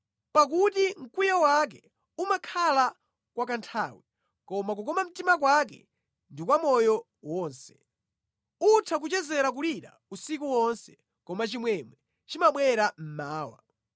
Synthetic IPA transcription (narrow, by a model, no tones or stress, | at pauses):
pak̬utiŋ̩kujawak̬ɛ | umakʰala | kwakantʰawi | kɔmak̬ukɔmam̩timak̬wak̬ɛ̰ | ndikwamɔjɔ | wɔːnsɛ̥ | utʰak̬ut͡ʃɛzɛɾak̬uliɾa̰ | usik̬uwɔnsɛ̥ | kɔmat͡ʃimwɛmwɛ | t͡ʃimaɓwɛɾam̩maːwa̰